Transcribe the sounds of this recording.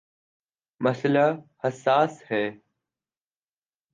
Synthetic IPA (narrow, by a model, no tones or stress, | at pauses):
məsəlaːhəsːaːshɛː